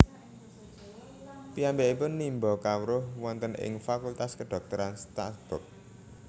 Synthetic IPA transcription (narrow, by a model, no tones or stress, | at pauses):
piambeʔipʊnːimbɔkawɾʊhwɔnt̪ənʔɪ̰ŋfakult̪askəɖ̥ɔ̤k̚t̪ɔɾanst̪asb̥ʊk̚